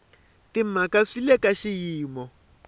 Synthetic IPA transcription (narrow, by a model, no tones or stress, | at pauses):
tim̩makaʂilɛkaʃijiːmɔ